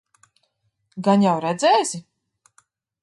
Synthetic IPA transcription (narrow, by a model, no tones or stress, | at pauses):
ɡanjawɾɛd̪zɛːzi